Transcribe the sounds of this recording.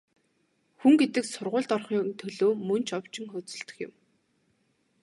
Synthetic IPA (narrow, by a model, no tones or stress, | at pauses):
xuŋɡet̪ɘ̆ksʊrʁʊːɮt̪ɔrχiːŋnt̪ʰɵɮoːmɵn̥t͡ɕʰɔwt͡ɕɪ̆ŋxɵːt͡sɵ̆ɬt̪ɵ̆xjɪ̰̆m